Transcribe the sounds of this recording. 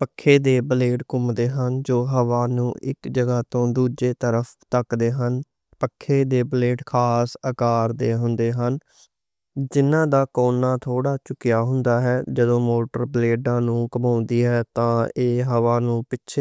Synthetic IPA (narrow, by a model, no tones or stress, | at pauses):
pəkʰːeːd̪eːbəleːʈkʊmd̪eːɦənd͡ʒoːɦəʋaːnũːʔɪ̰kd͡ʒəɡaːt̪õːd̪uːd͡ʒeːt̪əɾəfʰt̪əkd̪eːɦən | pəkʰːeːd̪eːbəleːɖkʰaːsəkaːɾd̪eːɦʊnd̪eːɦən | d͡ʒɪnãːd̪aːkoːnːaːt̪ʰoːɽaːt͡ʃʊkɪjaːɦʊnd̪aːɦɛːd͡ʒəd̪õːmoːʈəɾbleːɖãːnũːkəmãːnd̪iːɦɛːt̪ãːeːɦəʋaːnũːpɪtːʃʰe